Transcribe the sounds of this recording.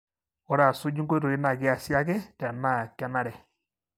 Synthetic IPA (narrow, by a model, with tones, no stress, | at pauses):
ɔ˦ɾa˨so˦d͡ʒu˦ŋɡo˦ɾo˨i˦na˨ɡe˦a˨sja˦ɡɛ˦da˨ma˦˨kja˦na˦ɾɛ˨